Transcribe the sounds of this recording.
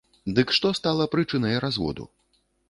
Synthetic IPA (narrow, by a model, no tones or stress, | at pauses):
d̪ɨkʂt̪ɔst̪alˠɐpɾɨt͡ʂɨnɐjɛɾazvɔ̰d̪ṵ